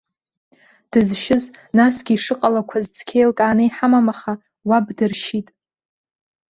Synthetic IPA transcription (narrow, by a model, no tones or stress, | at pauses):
d̥ɨzʃɪznasɡʲiːʂɨqʼalakʷʰazt͡sʰkʲʰejlkʼaːnɨjħamamaχa | wabdɨrʃitʼ